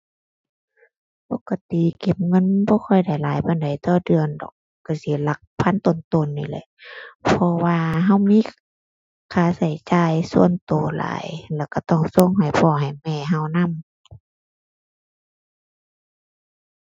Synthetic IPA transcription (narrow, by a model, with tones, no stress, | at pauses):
po˧˨ka˧t̪i˨ke˨˦mŋɤ˧˥˨nbɔː˧˦xʰɔ˧˩˨jda˧˨˩jlaː˨˦jbɔː˧˨nda˨jt̪ɔː˧˩dɯ˧˨əndɔ̰ː˨˩k̚ːa˧˩si˧˦la˧k̚pʰa˧˥˨nt̪o˨nt̪o˧˨nːi˧˩lɤ̰˧˦pʰɔ˧waː˧ɦa˧˥˨wmiː˧˥˨ | kʰaː˧˩˦sa˨˩jt͡ɕaː˧˨jsu˧ənt̪oː˨˦la̰ː˨˦jlɛː˧˩wka˧˩t̪ɔ˧˩˨ŋso˧˥˨ŋɦa˨˩jpʰɔː˧˩ɦa˨˩jmɛː˧˩˨ɦa˧˩wna˧˥˨m